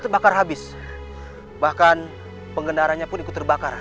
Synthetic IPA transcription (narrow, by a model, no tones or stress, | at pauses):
t̪ərbakarɦabɪs | bahkan | pəŋɡənaɾanɲapʊnikʊt̪ːərbakar